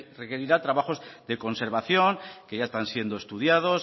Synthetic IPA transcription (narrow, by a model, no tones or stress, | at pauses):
rekeɾiɾat̪ɾaβaχo̞zðe̞ko̞nse̞ɾβ̞aθjo̞ŋkeʝaest̪ansje̞nd̪oest̪uð̞jað̞os